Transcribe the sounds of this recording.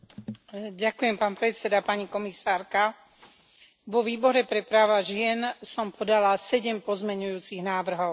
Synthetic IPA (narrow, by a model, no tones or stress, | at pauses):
ɟakujɛmpaːnpɾɛtt͡sɛd̪apaɲikɔmisaːɾka | ʋɔʋiːbɔɾɛpɾɛpɾaːʋaʒɪɛnsɔmpɔd̪alasɛɟɛmpɔzmɛɲujuːt͡siɣnaːʋr̩ɦɔʊ